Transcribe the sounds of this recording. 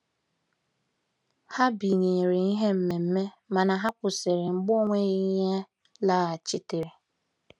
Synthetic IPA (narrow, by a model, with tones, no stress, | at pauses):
ha˦bi˨ɲi˨ɾɪ˨i˦ɦe˦m̩˦me˨m̩˦me˦ | ma˨na˨ɦa˦kʷʊ˨se˨ɾɪ˨ŋ͡m̩˨ɡ͡bʊ˦o˦ŋʷe˦ɣɪ˦ɲe˦ | la˦a˨t͡ʃɪ˦te˨ɾɪ˨